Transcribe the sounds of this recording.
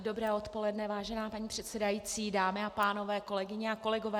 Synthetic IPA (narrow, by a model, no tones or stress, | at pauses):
do̞bɾɛːot̪po̞lɛdnɛvaːʒɛnaːpaɲiːpr̥ɛt̪sɛdajiːt͡siːdaːmɪapaːno̞vɛːko̞lɛɡɪɲɛako̞lɛɡovɛː